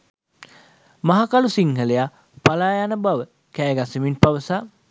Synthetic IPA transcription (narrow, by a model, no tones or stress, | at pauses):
maɦakalusiŋɦəleja | palaːjanəbaʋə | kæːɡasəminpaʋəsa